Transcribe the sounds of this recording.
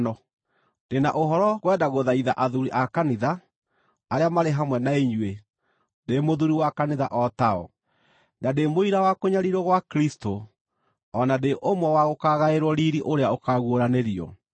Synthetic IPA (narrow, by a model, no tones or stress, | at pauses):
nɔ | d̥ena̰ʔoɦɔɾɔɣwɛdaɣoðaiða̰ʔaðuɾiʔakaniðaː | ɾeamaɾeɦamwɛnaeɲwe | demoðuɾiwakaniða̰ʔɔtaɔ̰ | nademoiɾawakoɲaɾiɾɔɣwakɾisto | ɔnadeʔomwɛwaɣokaɣaeɾwɔɾiɾiʔoɾeaokaɣwoɾaneɾiɔ̰